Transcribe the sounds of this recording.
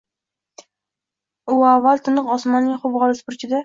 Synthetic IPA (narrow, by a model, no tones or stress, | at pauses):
ʊavːalˠt̪ʰɪnɨqɒsmɒnːɪŋχʊbʁɑlˠɪʃpʊɾt͡ʃʰɪd̪a